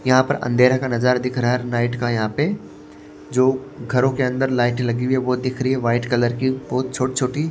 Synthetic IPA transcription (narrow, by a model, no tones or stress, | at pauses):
jɐɦãpɐɾɐ̰̃nd̪ʱeːɾakãnɐzaːɾd̪ɪkʰɾaɾnaːɪʈkãjɐɦãpe | d͡ʑoːɡʱɐɾõkʰeɐ̃nd̪əɾlaːɪʈlɐɡiʋeboːd̪ɪkʰɾiɦeʋaːɪʈkɐləɾkibɔɦʊt̪̚t͡ɕʰoːʈt͡ɕʰoːʈi